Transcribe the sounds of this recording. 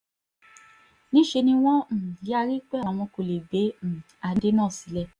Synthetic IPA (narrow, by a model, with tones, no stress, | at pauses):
nĩ˦ʃe˧nĩ˧w̃ɔ̃˦m̩̃˨˦a˧ɾi˦k͡pɛ˦˨a˨˦w̃ɔ̃˧˦ko˨le˨be˨˦m̩˨ | a˧de˦nãː˦˨si˨˦lɛ˦˧˨